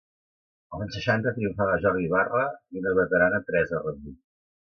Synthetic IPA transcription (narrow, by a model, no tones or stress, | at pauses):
əlˠansəʃant̪ət̪ɾiuɱfaβaʒɔɾðiβarəinəβət̪əɾanət̪ɾɛzərəβi